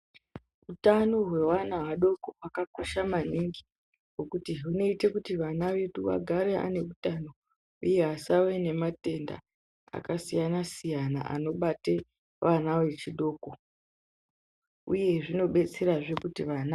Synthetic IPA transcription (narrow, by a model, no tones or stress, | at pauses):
utano̞ɦwe̞wanawaɗo̞ko̞wakako̞ʃamaniŋɡi | ɦo̞kutiɦuno̞ite̞kutiʋanaʋe̞ɗuʋa̰ɡʱaɾe̞a̰ne̞kutano̞ | uje̞ɦasawe̞ne̞mate̞nda̰ | a̰kasijanasijana̰ʔa̰no̞ɓate̞ | ʋʔanawe̞t͡ʃiɗo̞ːko̞ | uje̞ʐino̞ɓe̞t͡se̞ɾaʐe̞kutiʋana